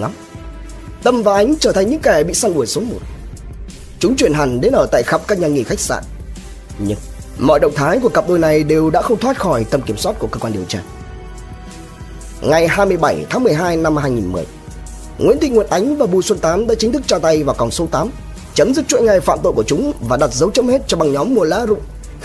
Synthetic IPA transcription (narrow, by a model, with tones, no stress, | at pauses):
m | t̪ə˧mvaː˨˩ʔa˨˦jŋ̟t͡ɕəː˧˩t̪ʰa˨˩ŋ̟ɲɨ̰˧˥ŋkɛ˧˩ɓḭ˧˨saː˧ŋʔu˧˩əjso˨˦mo˨˩t̚ | t͡ɕʊ˨˦ŋ͡mt͡ɕwi˧˩ənɦa˨˩ŋ̟ɗe˨˦nʔəː˧˩t̪a̰ː˧˨jxa˨˩p̚kaː˦˥k̚ɲaː˧˩ŋḭ˧˩xa˦˥jk̚sa̰ː˧˨n | ɲɨ˧ŋmɔ̰˧˨jɗə̰˧˨wŋ͡mt̪ʰaː˨˦jku˧˩əkə˨˩p̚ɗoː˧˩jna˨˩jɗe˨˩wɗa̰ː˧˥xə˧wŋ͡mt̪ʰwa˦˥t̚xɔ˧˩jt̪ə˧mki˧˩əmswaː˦˥t̚ku˧˩əkəː˧kwaː˧ɗi˨˩əwt͡ɕaː˧ | ŋa˨˩jhaː˧jmɨ˧əjɓa˧˩jt̪ʰaː˨˦ŋmɨ˨˩əjɦaː˧jna˧mhaː˧jŋi˨˩nmɨ˨˩əj | ŋwḭ˧˥nt̪ḭ˧˨ŋwu˨ənʔa˨˦jŋ̟vaː˨˩ɓu˧˩swə˧nt̪aː˨˦mɗa̰ː˧˥t͡ɕï˨˦ŋ̟t̪ʰɨ˦˥k̚t͡ɕaː˧t̪a˧jvaː˨˩wkɔ˨˩ŋ͡mso˨˦t̪aː˨˦m | t͡ɕə˨˦mzɨ˦˥k̚t͡ɕwḭ˧˥nŋa˧˩jfa̰ː˧˨mt̪o̰˧˨jku˧˩ət͡ɕʊ˨˦ŋ͡mvaː˨˩ɗa˨˩t̚zə˨˦wt͡ɕə˨˦˥mhe˦˥t̚t͡ɕɔ˧ɓa˨˩ŋɲɔ˨˦mːu˧˩əla̰ː˧˥zʊ̰˧˨ŋ͡m